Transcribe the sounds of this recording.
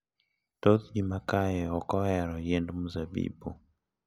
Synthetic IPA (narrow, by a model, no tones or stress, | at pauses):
tot̪d͡ʒimakajɛɔkɔɛɾɔjɛndmuzabḭbu